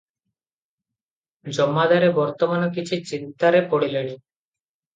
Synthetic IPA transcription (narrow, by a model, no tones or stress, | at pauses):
d͡ʒɔmːad̪aɾebɔɾt̪omanokit͡ʃʰit͡ɕint̪aɾepɔɽileni